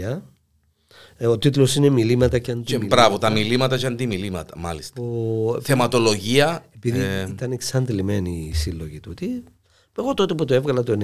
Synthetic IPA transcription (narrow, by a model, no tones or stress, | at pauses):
ɐ | ot̪it̪ulo̞sinemilimɐt̪ɐceɐnd̪imibɾɐvot̪ɐmilimɐt̪ɐt͡ʃɐnd̪imilimɐt̪ɐmɐlist̪θemɐt̪o̞loʝiɐepiðiit̪ɐneksɐnd̪lime̞nisilːoʝit̪ut̪i | eɣo̞t̪ot̪eput̪oe̞vɣɐlɐt̪on